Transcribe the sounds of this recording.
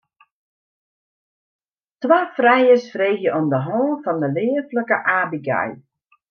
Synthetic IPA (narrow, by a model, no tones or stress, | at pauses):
tʋaːfrɛjəsfreːxjəɔmdəɦɔːnfɔndəlɪːəfləkəʔaːbiɡa̰j